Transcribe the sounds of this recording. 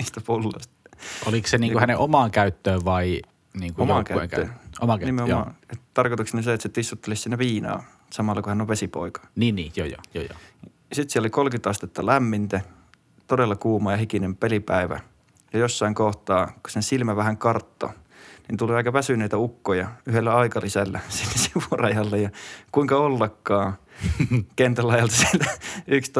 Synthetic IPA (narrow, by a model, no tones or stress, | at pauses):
miːst̪æpulːo̰st̪ɑolikseniːkuhæneʔomɑːŋkæyt̪ːøːʋʋɑi | niːŋkuojɑŋkæ̰ekæo̰mɑnimːeomɑ̰ett̪ɑrkot̪ukseniseet̪set̪ist̪ːut̪ːelissinːæʋiːnɑ̰ː | sɑmɑlːɑkuhænːoʋʋesipo̰ikɑ̥niːnniːjojo̰jo̰ːjo̰ | ɑsit̪siælolikolkyt̪ɑst̪et̪ːɑlæmːint̪æ | t̪odelːɑkuːmɑːjɑhikinempelipæiʋæ̰ | jɑjosːɑiŋkoht̪ɑːku̥sensilmæʋæhæŋkɑrt̪ːo̰nint̪uliɑikɑʋæsynˑeit̪æukːojɑyhelːæɑikɑlisælːæsinːesiʋurɑjɑlːejɑkuiŋkɑolːɑkːɑː | kent̪ælɑjɑlt̪ɑsielt̪æykst̪